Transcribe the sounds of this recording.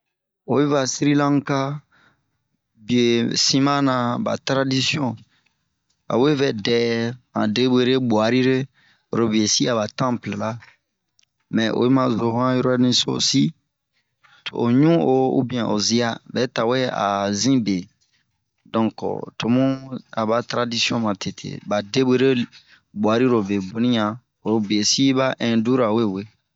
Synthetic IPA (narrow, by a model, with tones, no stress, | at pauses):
o˨i˦va˨si˦ɾi˦lã˦ŋ˦ka˦ | bi˨e˨sĩ˦mã˦nã˨ba̰˨tɾa˦di˦sjɔ̃˦ | a̰˨we˦vɛ˦˨dɛ˦mã̰˨de˦be˦ɾe˦bo˨a˨ɾi˦ɾe˦ | o˨ɾo˦bi˨e˨si˦a˨ba˨tã˦ple˨la˦ | mɛ̃˨ʔo̰˨i˦mã˦zo˨ɦã˦jɔ˦ɾo˦nĩ˦so̰˦si˦ | to˨ɲũ˦o˨ṵ˦bĩ˨ɛ̃˨ʔo̰˨zi˦a˦bɛ˨˦ta˨we˦a̰˨zĩ˦be˨ | dɔ̃˨kɔ̰˨to˨mũ˦a˨ba˨tɾa˦di˦si˦ɔ̃˦mã˨tʰe˨tʰḛ˨ba˨de˦be˦ɾe˦ | bwa˨ɾi˦ɾo˨be˨bũ˨˦nĩ˦ã˨ | o˨ɾo˦bi˨e˨si˦ba˦ʔɛ̃˨du˦ɾa˨we˦˨we˦